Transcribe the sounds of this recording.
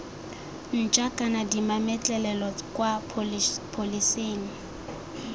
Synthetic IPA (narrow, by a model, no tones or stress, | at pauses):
n̩t͡ʃʼakʼanadimamɛt͡ɬʼɛlɛlɔkʼwa | pʰoliseːni